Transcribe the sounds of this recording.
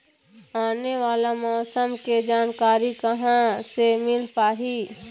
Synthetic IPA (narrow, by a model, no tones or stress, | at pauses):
aːneʋaːlamɔːsəmked͡ʒaːnkaːɾikɐɦãsemɪlpaːɦiː